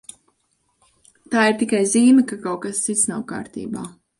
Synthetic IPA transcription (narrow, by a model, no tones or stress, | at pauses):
t̪aːiɾt̪ikajziːmɛkakawkast̪sit̪snawka̰ːɾt̪ḭːba̰ː